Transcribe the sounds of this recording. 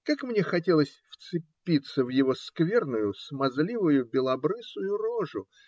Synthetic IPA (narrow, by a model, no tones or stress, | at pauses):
kakmnʲexɐtʲe̞lˠəsʲft̪sɨpʲːit̪səvjɪvo̞skvʲe̞rnʊjʊsmɐzlʲivʊjʊbʲɪlˠɐbɾɨsʊjʊroʐʊ